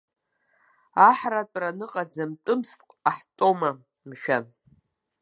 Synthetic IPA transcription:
aħratʼranɨqʼad͡zamtʼɨmstʼqʷʼaħtʼoma | mʃᶣan

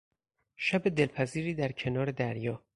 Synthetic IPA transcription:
ʃæbe̞d̪e̞lpʰæziːɾiːd̪æɾcʰe̞nɒːɾe̞d̪æɾjɒː

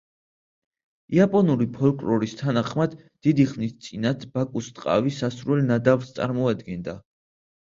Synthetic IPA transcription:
iapʼɔnuɾipʰɔlkʼɾɔɾist̪ʰanaχmad̪̥ːid̪iχnist̪sʼinat̪ʰb̥akʼust̪ʼqʼa̰visasɾuɛlnad̪avst̪sʼa̰ɾmɔad̪ɡɛnd̪a

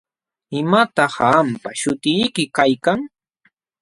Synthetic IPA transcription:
ɪmat̪ɑhampaʃʊt̪ɪjkɪkajkaŋ

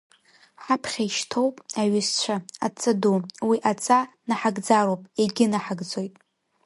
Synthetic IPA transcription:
ħapʰχʲaiʃtʰo̞wpʼaɥɪst͡ɕʷʰaa̰t͡sʼaduwiʔat͡sʼa | naħaɡd͡zaɾowpʼeɡʲɪnaħaɡd͡zo̞jtʼ

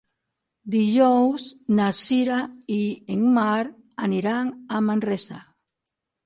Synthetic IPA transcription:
d̪iʒowsnasiɾaieŋmaɾ | aniɾaŋamãnresa

